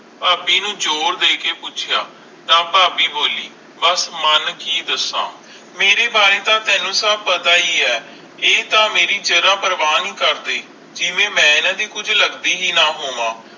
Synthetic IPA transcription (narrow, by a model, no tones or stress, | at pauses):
paːpiːnũːd͡ʒoːɾd̪eːkeːpʊt͡ʃʰɪjaː | nãːpaːpiːboːliː | bəsmənkiːd̪əsã̰ː | meːɾeːbaːɾeːt̪ãːt̪ɛːnũːsəb̚pət̪aːiːɛː | eːt̪ãːmeːɾiːd͡ʒəɾãːpəɾʋaːniːkəɾd̪eː | d͡ʒɪʋẽːmɛ̃ːɪnãːd̪iːkʊd͡ʒʱləɡd̪iːɦiːnãːɦoːʋãː